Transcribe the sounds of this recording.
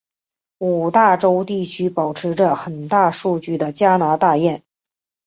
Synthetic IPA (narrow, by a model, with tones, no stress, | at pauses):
u˨˩t̪a˥˩ʈ͡ʂo˥ʊt̪i˥˩t͡ɕʰy˥pɑ˨˩ʊʈ͡ʂʰɻ̩˧˥ʈ͡ʂə˧xə˨˩nt̪a˥˧ʂu˥˧t͡ɕy˥˩d̪ə˩t͡ɕja˥na˧˥t̪a˥˧jɛ˥˩n